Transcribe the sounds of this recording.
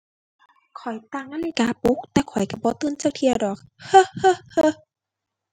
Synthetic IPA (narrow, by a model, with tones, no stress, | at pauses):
kʰɔ˨˩jt̪a˧˩˨ŋmaː˧˨li˧˩kaː˨˦pu˧˥k̚t̪ɛː˧kʰɔ˨˩jka˧˩bɔː˧˦t̪ɯː˧˨nt͡ɕaː˧˩k̚t̪ʰi˧˨əwdɔː˨˩k̚hɤ˧hɤ˧hɤ˧